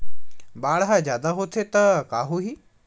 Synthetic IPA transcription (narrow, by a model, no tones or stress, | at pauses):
ɓaːɽɦazjaːd̪aɦot̪ʰet̪ɐkaːɦuɦiː